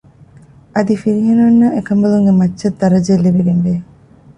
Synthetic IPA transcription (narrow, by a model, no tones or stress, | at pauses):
ʔɐd̪ifiɾiɦenɐnːɐekɐmbɐluŋɡemɐtːʃɐt̪ːɐɾɐd͡ʒelːibeɡenʋe